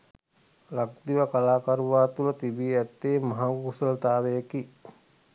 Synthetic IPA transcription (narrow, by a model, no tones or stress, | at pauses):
lak̚d̪iʋəkalaːkaɾuʋaːt̪ulət̪ibiɛt̪ːeːmaɦaukusələt̪aːʋejəki